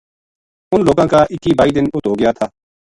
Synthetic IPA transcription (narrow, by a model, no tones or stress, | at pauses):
ʊnloːɡãːkaːʔɪkːiːbaːiːd̪ɪnʊt̪ɦoːɡɪjaːt̪ʰaː